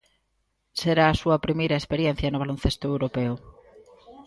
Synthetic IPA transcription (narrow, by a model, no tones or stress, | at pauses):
seɾaːsuɐpɾimejɾɐespeɾjen̟θjɐnʊβ̞alonθest̪ʊewɾopeʊ